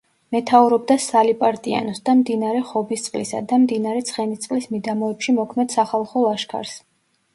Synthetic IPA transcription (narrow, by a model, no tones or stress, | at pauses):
mɛt̪ʰauɾɔbd̪asalipʼaɾt̪ʼia̰nɔsd̪amd̪inaɾɛχɔbist̪sʼqʼlisa̰d̪amd̪inaɾɛt̪sʰχɛnit̪sʼlismid̪amɔɛpʃimɔkʰmɛd̪̥saχalˠχɔlˠaʃkʰa̰ɾs